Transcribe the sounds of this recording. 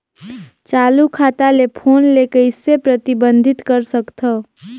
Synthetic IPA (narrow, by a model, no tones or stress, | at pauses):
t͡ʃalukʰat̪alepʰonlekəɪsepɾət̪ibənd̪ʱit̪kəɾsəkt̪ʰə